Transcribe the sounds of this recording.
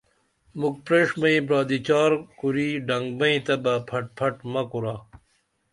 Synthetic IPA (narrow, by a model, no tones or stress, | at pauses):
muk̚pɾeːʂmɐĩbɾaːd̪it͡ɕaːɾkuɾiːɖɐŋɡbɐĩt̪ɐbapʰɐʈ̚pʰɐʈmɐkuɾaː